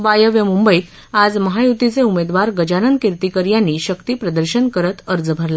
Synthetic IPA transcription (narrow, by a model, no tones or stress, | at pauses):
ʋajəʋjəmumbəiːt̪ | ad͡zməɦajut̪it͡seumed̪ʋaɾɡəd͡ʑaɾənd̪kiɾt̪ikəɾjanːiːɕəkt̪iːpɾəd̪əɾɕənkəɾət̪əɾd͡zbʱəɾla